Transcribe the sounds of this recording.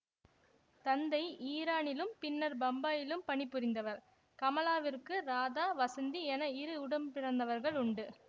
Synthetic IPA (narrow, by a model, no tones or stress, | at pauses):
t̪ɐnd̪ɐɪʔiːɾaːnɪlɯmpɪnːɐɾbɐmbaːjɪlɯmpɐɳɪpːɯɾɪnd̪ɐʋɐɾ | kɐmɐlaːʋɪrkɯɾaːðaːʋɐsɐnd̪iɛnɐɪɾɯʊɽɐmpɪrɐnd̪ɐʋɐɾɣɐɭʊɳɖɯ